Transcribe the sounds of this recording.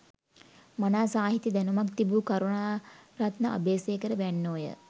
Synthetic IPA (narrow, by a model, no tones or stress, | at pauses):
manaːsaːɦit̪id̪ænumakt̪ibuːkaɾuɳaːɾat̪nəʔa̰beːseːkəɾəʋænːoːjə̰